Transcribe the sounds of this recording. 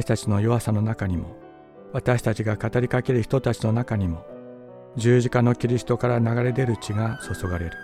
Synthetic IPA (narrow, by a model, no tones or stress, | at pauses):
ɕi̥t̪at͡ɕino̞jo̞asano̞nakaɲ̟imo̞ | βat̪aɕi̥t̪at͡ɕiɡakat̪aɾʲikake̞ɾɯ̟çi̥t̪ot̪at͡ɕino̞nakaɲ̟imo̞ | d͡ʑɨːʑikano̞kʲiɾʲisɨ̥t̪o̞kaɾanaɡaɾe̞d̪e̞ɾɯ̟t͡ɕiɡaso̞so̞ɡaɾe̞ɾɯ̟